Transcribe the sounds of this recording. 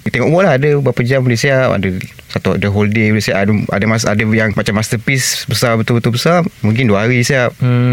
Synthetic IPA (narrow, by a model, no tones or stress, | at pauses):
t̪eŋɔʔwɔʔlaɦadəbapad͡ʒamalesiaʔa̰dəsat̪ua̰dəɦoldemalesiaʔada̰dəmasadəjaŋmat͡ʃamːast̪əpisbəsarbət̪ulbət̪ulbəsarmũŋk̬ɪnduaɦaɾisiap̩̚